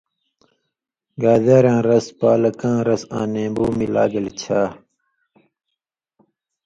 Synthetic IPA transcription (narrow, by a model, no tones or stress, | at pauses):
ɡaːdaːɾjãːɾɐspaːlɐkãːɾɐsã̰ːnẽːbuːmila̰ːɡɐlt͡ɕʰaː